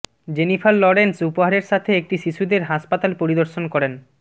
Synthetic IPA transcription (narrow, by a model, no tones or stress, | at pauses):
d͡ʑenifʰaɾlɔɾensupoɦaɾeɾʃat̪ʰeek̚ʈiʃiʃud̪eɾɦaʃpat̪alpoɾid̪oɾʃonkɔɾen